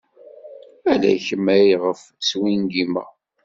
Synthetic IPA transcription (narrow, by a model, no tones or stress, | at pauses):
ælæ̰çəmːæjiʁəf | swinɡimæ̰